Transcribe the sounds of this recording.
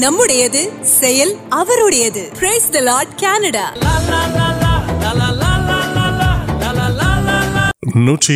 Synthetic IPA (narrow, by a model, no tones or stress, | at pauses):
nɐmːɯɽɐjɐðɯ | sɛjɐlɐʋɐɾɯɽɐjɐðɯpɾeːsd̪ɐlaːɾɖ̚kaːnɐɽa̰ː | nuːʈri